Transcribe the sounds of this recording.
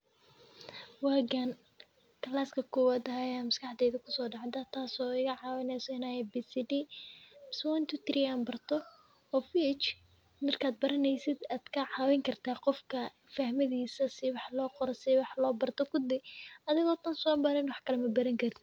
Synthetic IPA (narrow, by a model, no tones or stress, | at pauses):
waːɡan | kʰɐlaːskʰɐkʰɔwaːd̪ɐɦajaːmɐskɑħd̪ɛːðɐkʰʊ̥sɔːɖɑʕd̪ɐt̪ʰaːsɔːɪɣɐʕɑːwɛnɛjsɔɪnaːjɛbisiɖiː | swɔnt̪ʰʊt̪ʰɾiaːnbɐrt̪ʰɔ | ɔːfit͡ʃ | mɐrkʰaːd̪̚bɐɾɐnɛjsɪd̪aːd̪̥kʰɐʕɑːwɛŋkʰɐrt̪ʰaːqɔfkʰɐ | fɐhmɐðiːsɐsɪwɑħlɔːqɔɾɔsɪwɑħlɔːbɐrt̪ʰɔkʰʊd̪ɛjɐðɪɣɔːt̪ʰɐnsɔːbɐɾɛnwɑħkʰɐlɛmɐbɐɾɐŋkʰɐrt̪ʰɪ